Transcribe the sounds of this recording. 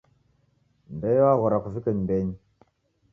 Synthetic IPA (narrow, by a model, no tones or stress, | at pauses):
mbejwaɣuɾakuvikənmbeɲ